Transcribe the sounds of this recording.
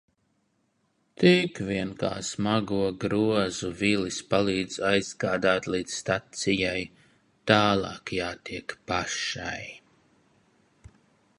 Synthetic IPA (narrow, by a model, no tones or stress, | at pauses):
t̪ikvʲiɛnka̰ːsmaɡuɔɡɾuɔzuvilispalˠiːd̪zajzɡaːd̪aːt̪liːd̪sst̪at̪sijaj | t̪aːlˠɑːkjaːt̪iɛkpaʃa̰j